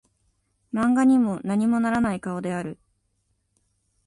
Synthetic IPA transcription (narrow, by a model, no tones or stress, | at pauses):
mãŋɡaɲ̟imo̞naɲ̟imo̞naɾanaikao̞d̪e̞aɾɯ̟